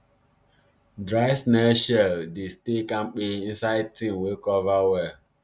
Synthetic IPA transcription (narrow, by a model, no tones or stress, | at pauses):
dɾaɪsnɛʃɛldestekãŋ͡m̩k͡piĩn̩saɪd̚tĩmwekɔvawɛ